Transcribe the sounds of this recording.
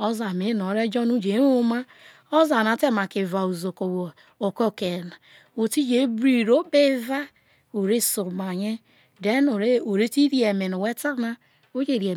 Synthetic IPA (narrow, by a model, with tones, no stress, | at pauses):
o˦za˨me˨˦no˨ɾe˦d͡ʒɔ˦nu˦d͡ʒe˨˦o˦ma˦ | o˦za˨na˨˦te˦˨ma˨ke˨va˨u˨zo˨ko˨w | o˨ko˦˨ke˨na˨ | o˨ti˦d͡ʒe˨˦bɾi˦˨ɾo˦be˦va˦ | o˨ɾe˦so˨ma˨ɲe˦ | de˦no˨ɾe˦o˨ɾe˦ti˦ɾi˦e˨me˨no˨we˦ta˦na˦ | o˦d͡ʒe˦˨ɾi˨e˨